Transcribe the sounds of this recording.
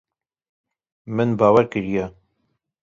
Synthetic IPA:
mɨnbɑːwɛɾkɨɾijɛ

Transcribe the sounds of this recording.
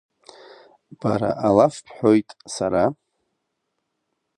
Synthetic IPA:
b̥aɾa̰ʔalafpʰħʷᶣo̞jtʼsaɾa

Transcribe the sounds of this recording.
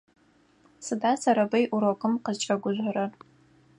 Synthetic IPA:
sɨdaːsɐɾɐbɐjʔʊɾokʼɨmqəzt͡ʃʼɐɡʷʊʑʷɐɾɐ

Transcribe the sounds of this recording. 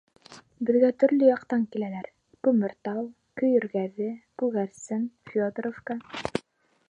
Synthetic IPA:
bɘ̆ðɡæt̪ɵ̆ɾlɵjɑqt̪ɑŋkilælæɾ | kʉmɘ̆ɾt̪ɑw | kɵ̆jɵ̆ɾɡæðɘkʉɣæɾsɘnfʲod̪rofkɑ

